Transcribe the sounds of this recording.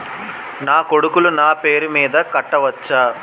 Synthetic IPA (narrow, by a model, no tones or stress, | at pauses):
naːkoɽukulunaːpe̞ːɾumiːd̪ɐkɐʈːɐʋɐt͡ʃːɐ